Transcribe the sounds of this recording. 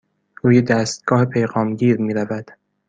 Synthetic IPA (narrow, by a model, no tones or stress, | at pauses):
ɾuːjed̪æːst̪̚ɡ̥ɒːhepʰe̞jɣɒːmɟiːɾmiːɾævæd̪̥